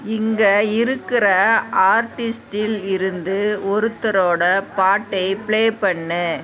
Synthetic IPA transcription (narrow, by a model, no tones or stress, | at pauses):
ɪŋɡɐɪɾɯkːɪrɐaːɾʈɪsʈɪlɪɾɯnd̪ɯɔɾɯt̪ːɐɾoːɽɐpaːʈːɐɪpɪɭeːpɐɳːɯ